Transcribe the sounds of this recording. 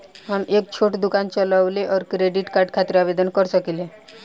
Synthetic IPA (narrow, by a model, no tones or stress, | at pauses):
ɦənek̚t͡ɕʰoʈd̪ukant͡ɕəlaʋleʔɔɾkɾeɖiʈkaɾɖkʰat̪iɾabed̪ənkəɾsəkile